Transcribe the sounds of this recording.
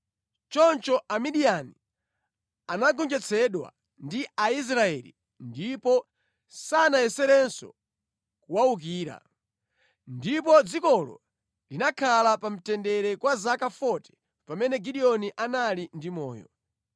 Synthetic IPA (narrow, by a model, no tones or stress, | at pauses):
t͡ʃɔnt͡ʃɔʔamiɗiani | anaɡɔnd͡ʒɛt͡sʰɛɗwa̰ | ndiʔais̬ɾaɛlḭ | ndipɔ | sanajɛsɛɾɛnsɔ̰ | kuwauk̬iːɾa̰ | ndipɔd͡zikɔlɔ̰ | linakʰalapam̩tɛndɛɾɛkwazakafɔtɛ̥ | pamɛnɛɡiɗiɔniʔanalindimɔ̰ːjɔ̰